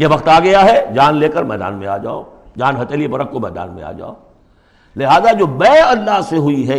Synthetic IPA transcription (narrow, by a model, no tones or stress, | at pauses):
jebɐxt̪aːɡɐjaɦɛd͡ʒaːnleːkəɾmɛːd̪a̰ːnmḛ̃a̰ːd͡ʒa̰ːo̰ | d͡ʒaːnɦɐt̪eːliepɐɾəkkomɛːd̪a̰ːnmḛ̃a̰ːd͡ʒa̰ːo | lɪɦaːzad͡ʒoːbɛːɐlːaɦseɦʊiɦɛ